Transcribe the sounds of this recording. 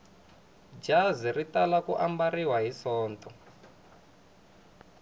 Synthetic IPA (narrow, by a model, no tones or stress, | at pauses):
d͡ʒaziritalakṵʔambariwaɦisɔːntʰʼɔ